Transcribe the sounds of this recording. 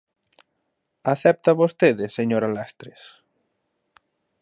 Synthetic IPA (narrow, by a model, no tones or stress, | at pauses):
aθɛp̚t̪aβost̪eðɪseɲoɾalast̪ɾɪs